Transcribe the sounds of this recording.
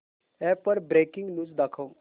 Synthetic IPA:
ɛ̃ːpəɾbɾeːkɪ̃ŋɡnud͡ʒd̪ɐkʰõ

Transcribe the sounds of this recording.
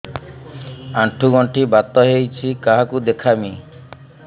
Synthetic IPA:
aʈʰuɡɔɳʈibat̪ɔɦejt͡ʃʰikaɦakud̪ekʰami

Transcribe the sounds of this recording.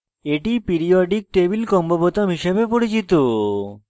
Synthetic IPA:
eʈipiɾioɖik̚ʈebilkɔmbobot̪amɦiʃebepoɽit͡ɕit̪o

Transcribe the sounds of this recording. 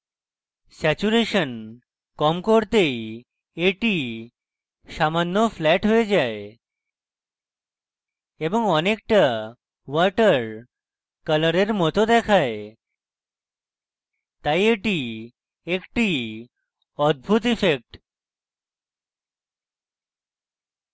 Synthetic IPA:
sɛt͡ɕuɾeʃən | kɔmkoɾt̪ej | eʈi | samanːofʰlɛʈɦoed͡ʑae | eboŋɔnek̚ʈa | wəɾʈəɾ | kələɾeɾmɔt̪od̪ɛkʰae | t̪ajeʈi | ekʈi | ɔd̪̚bʱut̪ifʰek̚ʈ

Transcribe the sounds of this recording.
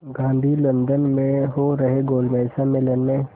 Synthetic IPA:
ɡãːnd̪ʱilɐ̃nd̪ənmẽɦoɾɐɦeɡoːlmɛːsamɪ̃lənmẽ

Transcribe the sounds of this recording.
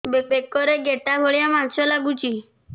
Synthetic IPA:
bebekːɔɾeɡeʈabʱoɭjamansɔlaɡut͡ʃi

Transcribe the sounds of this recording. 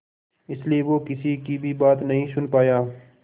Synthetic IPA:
ɪslieʋoːkɪsikibʱibaːt̪nɐɦĩsʊnpaːjaː

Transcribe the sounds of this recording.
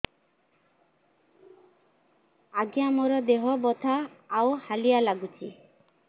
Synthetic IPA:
aɡjamɔɾɔd̪eɦɔbɔt̪ʰaːwhalijalaɡut͡ʃʰi

